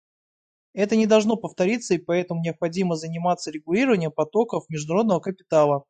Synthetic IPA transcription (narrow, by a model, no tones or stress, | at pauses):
ɛt̪ənʲɪd̪ɐlˠʐno̞pəft̪ɐɾʲit̪sːəipɐɛt̪əmʊnʲɪɐpxɐdʲiməzənʲɪmat̪sːəɾʲɪɡʊlʲiɾəvənʲɪjəmpɐt̪o̞kəfmʲɪʐd̪ʊɐɾo̞d̪nəvəkəpʲɪ̥t̪alˠə